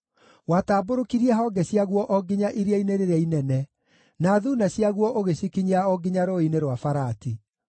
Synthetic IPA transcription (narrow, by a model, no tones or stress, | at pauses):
wataːboɾokiɾiɛɦɔːɡɛɕiaɣwɔʔɔɡiɲaʔiɾiaineɾeɾainɛnɛ | naːðunaɕiaɣwɔʔoɣeɕikiɲaɔɡiɲaɾoineɾwafaɾati